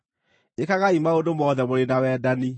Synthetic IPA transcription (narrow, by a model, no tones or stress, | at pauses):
ekaɣaimaodomɔðɛmoɾenawɛdani